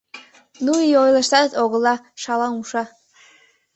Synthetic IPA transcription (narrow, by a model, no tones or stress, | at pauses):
nuiojlˠəʃt̪ɑd̪t̪oɣɤ̆lˠːɑ | ʃɑlˠɑnuʃɑ